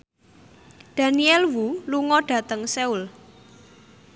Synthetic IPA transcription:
d̥a̤niɛlwuluŋɔɖ̥ä̤t̪əŋsɛul

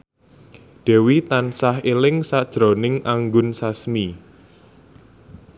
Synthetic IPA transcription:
d̥ɛ̤wit̪ansaɦelɪŋsad̥ʒ̥ɾo̤nɪŋʔaŋɡʊnsasmi

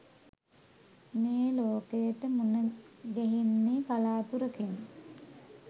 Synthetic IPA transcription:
meːloːkejəʈəmunəɡeɦinːikalaːt̪uɾəkeni

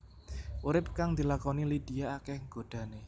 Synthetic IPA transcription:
ʔuɾɪp̚kaŋd̪̥i̤lakɔnilid̪̥iaːkɛhŋɡ̥o̤d̪̥ä̤ne

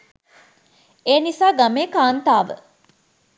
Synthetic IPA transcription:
eːnisaːɡameːkaːnt̪aːʋə̰

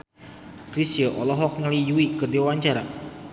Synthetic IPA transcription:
kɾisiəʔɔlɔɦɔk̚nəlijuikədewawaɲt͡ʃaɾa

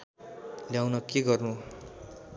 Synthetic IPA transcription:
ljawnʌkeɡʌrnu

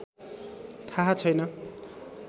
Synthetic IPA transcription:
t̪ʰaɦat͡sʰʌjnʌ

